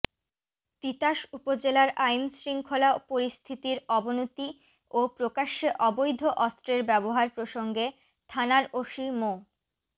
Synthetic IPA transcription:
t̪it̪aʃupod͡ʑelaɾajnsɾiŋkʰolapoɾist̪ʰit̪iɾɔbonot̪i | opɾokaʃːeʔɔbojd̪ʱoʔɔst̪ɾeɾbɛboɦaɾpɾoʃoŋɡe | t̪ʰanaɾoʃimo

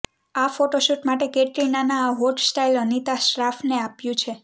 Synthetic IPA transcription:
afoʈoʃuʈmaʈekeʈɾinanaːɦoʈsʈailənit̪aʃɾafneapjũt͡ʃʰe

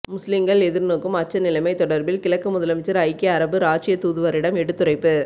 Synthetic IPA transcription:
mʊslɪŋɡɐɭɛðɪɾnoːkːɯmɐt͡ʃːɐnɪlɐɪmɐɪt̪ɔɽɐɾbɪlkɪlɐkːɯmʊðɐlɐmɪt͡ʃːɐɾɐɪkːɪɐɾɐbɯɾaːt͡ʃɪjɐt̪ːuːðɯʋɐɾɪɽɐmɛɽɯt̪ːɯɾɐɪpːɯ

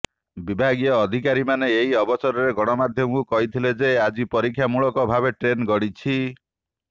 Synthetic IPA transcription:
bibʱaɡijɔːd̪ʱikaɾimaneeɦiɔbɔt͡ʃɔɾɔɾeɡɔɽ̃ɔmad̪ʱjɔmɔkukɔɦit̪ʰiled͡ʒead͡ʒipɔɾikʰːjamuɭɔkɔbʱabeʈɾenɡɔɽit͡ʃʰi

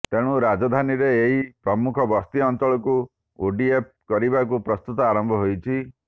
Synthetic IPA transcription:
t̪eɽ̃uɾad͡ʒɔd̪ʱaniɾeːɦipɾɔmukʰɔbɔst̪iɔnt̪ɔɭɔku | oɖiep̚kɔɾibak̬upɾɔst̪ut̪ɔaɾɔmbʱɔɦojt͡ʃʰi

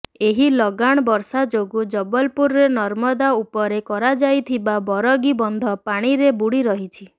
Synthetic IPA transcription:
eɦilɔɡaɽ̃ɔbɔɾsad͡ʒoɡud͡ʒɔbɔlpuɾɾenɔɾmɔd̪aupɔɾekɔɾad͡ʒajt̪ʰibabɔɾɔɡibɔnd̪ʱɔpaɽ̃iɾebuɽiɾɔɦit͡ʃʰi

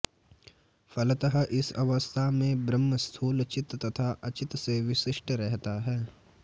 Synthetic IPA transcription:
fʰɐlət̪əɦʔɪsɐ̰ʋəst̪ʰamẽbɾəmːəst̪ʰuːlt͡ʃɪt̪ːɐt̪ʰaʔɐt͡ʃɪt̪seʋɪʃɪʃʈʰɾɛɦt̪aɦɛː

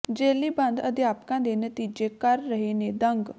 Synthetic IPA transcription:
d͡ʒeːliːbə̃nd̪əd̪jaːpkãːd̪enət̪iːd͡ʒekəɾːəɦened̪ə̃ŋɡ

